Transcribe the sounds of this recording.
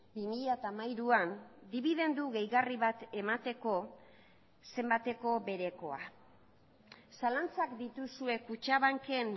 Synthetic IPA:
bimiʎat̪amajɾuand̪iβ̞iðe̞nd̪uɣe̞jɣariβat̪e̞mat̪e̞ko̞ | se̞mbat̪e̞ko̞βe̞ɾe̞ko̞a | salant͡sakd̪it̪usue̞kut͡ʃaβaŋke̞n

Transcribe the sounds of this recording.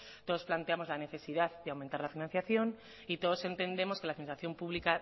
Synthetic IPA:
t̪o̞ð̞o̞splant̪e̞amo̞zlane̞θe̞siðaððe̞awment̪aɾlafinãn̟θjaθjo̞n | it̪o̞ð̞o̞se̞nt̪e̞nd̪e̞mo̞ske̞lafinĩnsaθjo̞mpuβlika

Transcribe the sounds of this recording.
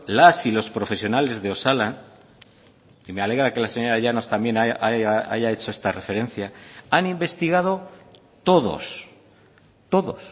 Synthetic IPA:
lasilo̞spɾo̞fe̞sjonale̞zðeo̞salan | imeale̞ɣɾake̞laseɲo̞ɾaʎano̞st̪ambje̞naʔaaa̰jae̞t͡ʃo̞e̞st̪are̞fe̞ɾe̞nθjaanimbe̞st̪iɣað̞o̞ | t̪o̞ðo̞̰s | t̪o̞ðo̞s

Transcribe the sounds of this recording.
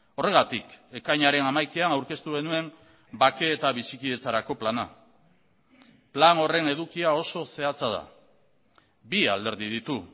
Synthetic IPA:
o̞re̞ɣat̪ike̞kajɲaɾe̞namajkeanawɾke̞st̪uɣe̞nue̞m | bake̞ːt̪aβ̞isikiðe̞t͡saɾako̞plana̰ | plano̞re̞ne̞ðukiao̞so̞se̞at͡sað̞a̰ | bia̰ld̪e̞ɾðiðit̪u

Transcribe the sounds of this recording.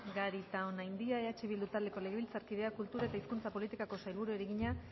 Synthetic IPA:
ɡaɾit̪aonajnd̪iae̞at͡ʃiβ̞ild̪ut̪ald̪e̞ko̞le̞ɣeilt͡saɾkiðe̞akult̪uɾae̞t̪aiskunt͡sapo̞lit̪ikako̞sajlβuɾue̞ɾeɣiɲa

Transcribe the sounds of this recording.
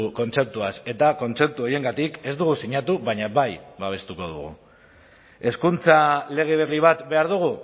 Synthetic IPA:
ko̞nt͡se̞p̚t̪uase̞t̪ako̞nt͡se̞p̚t̪uo̞je̞ŋɡat̪ike̞zd̪uɣ̞usiɲat̪uβaɲaβajbaβ̞e̞st̪uko̞ð̞ṵɣṵ | e̞skunt͡sale̞ɣ̞eβ̞eriβ̞at̪be̞aɾðuɣ̞u

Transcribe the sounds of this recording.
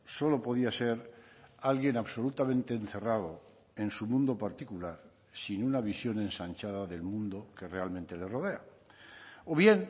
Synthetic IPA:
so̞lo̞po̞ðiase̞ɾalɣje̞naβso̞lut̪amẽ̞nt̪e̞ːnθe̞rað̞o̞ | e̞nsumũnd̪o̞paɾt̪ikulaɾ | sinunaβisjo̞ne̞nsant͡ʃaðaðe̞lmũnd̪oke̞re̞almẽnt̪e̞le̞ro̞ð̞e̞a | o̞βje̞n

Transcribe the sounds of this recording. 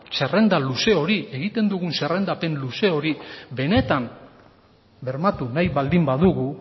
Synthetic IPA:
se̞re̞nd̪aluse̞o̞ɾie̞ɣit̪e̞nd̪uɣunse̞re̞nd̪ape̞nluse̞o̞ɾibe̞ne̞t̪am | be̞ɾmat̪unajβald̪imbaðuɣu

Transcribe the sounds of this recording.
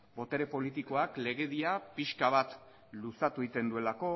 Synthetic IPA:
bo̞t̪e̞ɾe̞po̞lit̪iko̞akle̞ɣe̞ðiapiʃkaβ̞at̪ | lusat̪uit̪e̞nd̪ue̞lako̞

